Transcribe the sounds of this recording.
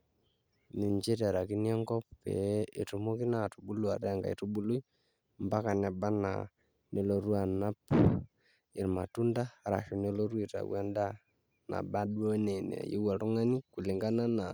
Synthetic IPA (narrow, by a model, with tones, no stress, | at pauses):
ni˨ɲd͡ʒe˦te˨ɾa˨ki˦ni˦ɔ˦ŋɡɔ˦pḛ˨e˨tu˨mo˦ki˦na˦tu˨bu˦lu˦a˨ɾa˦ŋɡa̰˨ḛ˨tu˦bu˦lu˦i | mba˦ka˨na˨ba˦na̰˨ | nʔe˨lo˨ɾwa˨na˦p | i˨ɾma˨tu˦nda˦ɾa̰˨ʃo˨ne˦lo˦ɾwe˨ta̰˨wɛ˦nda˦ | na̰˨ba˦ɗwo˦ne˨nḛ˨jḭ˦wa˨ɾu˦ŋa˦ni˦ku˨li˨ŋɡa˦na˦na˨